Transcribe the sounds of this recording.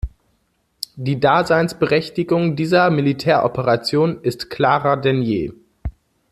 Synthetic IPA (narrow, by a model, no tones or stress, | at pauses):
d̥iːdaːzaɪnsb̥əʁɛçtɪɡʊŋdiːzɐmilitʰɛːɐʔɔpəʁat͡sjoːnɪstkʰl̥aːʁɐdɛnjḛː